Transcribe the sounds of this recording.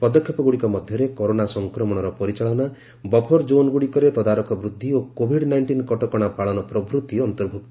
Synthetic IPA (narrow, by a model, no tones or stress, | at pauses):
pɔd̪ɔkʰjɔpɔɡuɽikɔmɔd̪ʱjɔɾekɔɾonasɔŋkɾɔmɔɽ̃ɔɾɔpɔɾit͡ʃaɭɔna | bɔpʰɔɾd͡ʒonɡuɽikɔɾet̪ɔd̪aɾɔkʰɔbɾud̪ʱːiokobʱiɽnajɳʈinkɔʈɔkɔɽ̃apaɭɔnɔpɾɔbʱɾut̪ːiɔːnt̪ɔɾbʱuk̚t̪